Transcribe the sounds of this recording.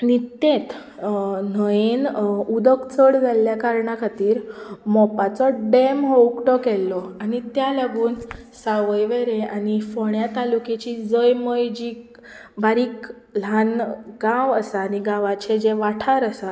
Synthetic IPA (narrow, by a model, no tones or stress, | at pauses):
nit̪et̪ | n̤əjenud̪əkt͡səɽd͡zalːjakaɾɳakʰat̪iːɾmɔpat͡sɔɖemɦowkʈɔkɛlːɔaɽ̃it̪jaləɡuːn | saʋəjʋeɾẽaɽ̃ifɔɳjat̪aluket͡ɕid͡zəjməjd͡ʑiː | baɾiːk | l̤anɡãʋəsaːniɡãʋat͡ɕed͡ʑeʋaʈʰaɾəsa